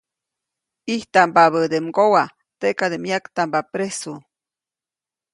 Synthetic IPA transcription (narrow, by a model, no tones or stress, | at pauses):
iht̪ambaβəd̪emɡowa | t̪eʔkad̪emjakt̪ambapɾesu